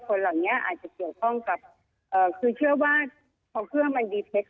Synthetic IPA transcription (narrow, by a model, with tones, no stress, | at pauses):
kʰo˧nla˨˩wni˦˥ɐʔa̰ː˨˩t̪̚t͡ɕa˨˩ki˨˩əwkʰɔ˥˩ŋka˨˩p̚ | ʔɤː˨˩kʰɯː˧t͡ɕʰɯ˥˩əwaː˥˩ | pʰɔː˧˩kʰɯ˥˩əŋma˧ndiː˧p̪ʰe˦˥t̚